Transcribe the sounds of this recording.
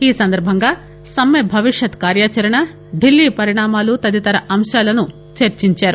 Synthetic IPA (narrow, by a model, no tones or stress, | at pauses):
iːsɐnd̪ɐɾbʱɐŋɡaː | sɐmːebʱɐʋiʂjɐt̪kaːɾjaːt͡ʃɐɾɐɳɐ | ɖilːiːpɐɾiɳaːmaːlut̪ɐd̪it̪ɐɾɐʔɐmʃaːlɐnu | t͡ʃɐɾt͡ʃiɲt͡ʃaːɾu